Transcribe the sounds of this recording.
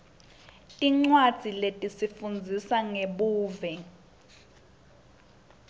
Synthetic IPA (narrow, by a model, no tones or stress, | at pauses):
tʼiŋ͡ǀwad̥d͡z̥ʱiletʼisifund͡zʱisaŋeɓuːvɛ